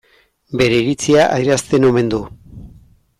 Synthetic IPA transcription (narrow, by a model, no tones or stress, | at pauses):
be̞ɾe̞iɾit͡siaʔaiɾast̪e̞no̞me̞nd̪u